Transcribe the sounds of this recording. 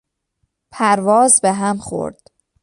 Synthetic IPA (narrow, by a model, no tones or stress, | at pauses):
pʰæɾvɒːzbeɦæmχo̰ɾd̪̥